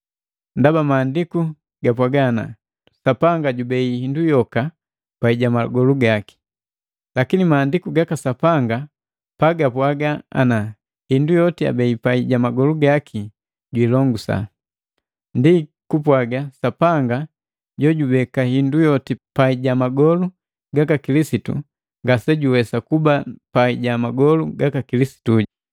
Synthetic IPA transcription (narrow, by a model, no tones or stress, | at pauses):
ndabamaːndiku | ɡapwaɡaːna̰ | sapaŋɡaɟubɛihindujɔka | paiɟamaɡɔluɡaki̥ | lakinimaːndikuɡakasapaŋɡa | paɡapwaɡaa̰na | hindujɔtia̰bɛipaiɟamaɡɔluɡakʰi | ɟwilɔŋɡusa̰ | ndi | kupwaɡasapaŋɡa | ɟɔɟubɛkahindujɔtipaiɟamaɡɔlu | ɡakakilisitṵ | ŋɡasɛɟuwɛsakubapaiɟamaɡɔluɡakakilisi̥tuɟ